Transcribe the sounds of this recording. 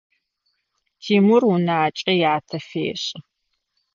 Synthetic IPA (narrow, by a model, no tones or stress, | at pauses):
tʰiːmʊrʊnaːt͡ʃʼijaːtʰɐfḛːɕʼɪ